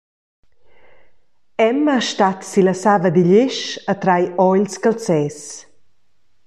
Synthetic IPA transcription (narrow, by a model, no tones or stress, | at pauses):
ɛmaʃtat̪siləsavəd̪iʎɪʃət̪ɾajɔʎskəlt͡sɛːs